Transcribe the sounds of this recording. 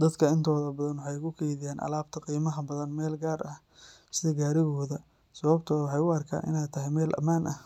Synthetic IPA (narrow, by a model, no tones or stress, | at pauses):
d̪ɐd̪kʰɐɪnt̪ʰɔːðɐbɐðɐnwɑħɑjʊkʰʊkʰɛjðɪjaːnʔɐ̰laːb̚t̪ʰɐqiːmɐɐbɐðɐnmɛːlɡaːrɐh | sɪðɐɡaːɾɪɣɔːðɐ | sɐβɐbt̪ʰɔːðwħɑjʊɐrkʰa̰ːnʔɪ̰nɛːt̪ʰɐɦɛjmɛːlʔɐ̰maːnʔɐh